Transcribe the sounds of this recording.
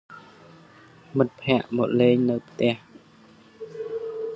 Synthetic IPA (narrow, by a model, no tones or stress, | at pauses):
mɨt̪̚pʰɛ̆əʔmoʔleːŋnɨwpʰt̪ɛ̆əh